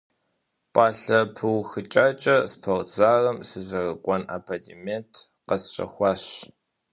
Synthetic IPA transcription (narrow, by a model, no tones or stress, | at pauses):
pʼaːɬɐpʰɨwxɨt͡ʃʼaːt͡ʃʼɐspʰɐʁt͡saːrɐmsɨzɐrɐkʷʼɔna̰pʰadʰimentʰ | qɐsɕʼɐ̰xʷɑːɕ